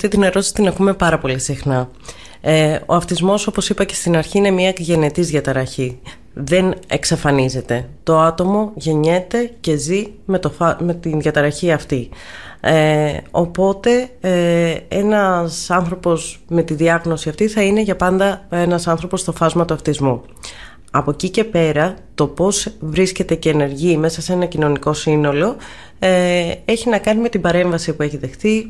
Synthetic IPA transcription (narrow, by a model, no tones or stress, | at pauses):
ft̪it̪ine̞ɾo̞t̪isit̪inɐkume̞pɐɾɐpo̞lisixnɐ | o̞̰ɐft̪izmo̞so̞posipɐce̞̥st̪inɐɾçiine̞miɐʝe̞ne̞t̪izðʝɐt̪ɐɾɐçi | ðe̞ne̞̰ksɐfɐnize̞t̪e̞t̪o̞ɐt̪o̞mo̞ʝe̞ɲe̞t̪e̞ce̞zimet̪ofɐmet̪inðʝɐt̪ɐɾɐçiɐft̪i | o̞po̞t̪e̞ | e̞nɐsɐnθɾo̞po̞sme̞t̪iðiɐɣno̞siɐft̪iθɐine̞ʝɐpɐnd̪ɐe̞nɐsɐnθɾo̞po̞st̪o̞fɐzmɐt̪uɐft̪izmu | ɐpo̞cice̞pe̞ɾɐt̪o̞po̞svɾisce̞t̪e̞ce̞ːne̞ɾʝime̞sɐse̞nɐcino̞niko̞sino̞lo̞ | e̞çinɐkɐnime̞t̪ibɐɾe̞ɱvɐsipue̞çiðe̞xθi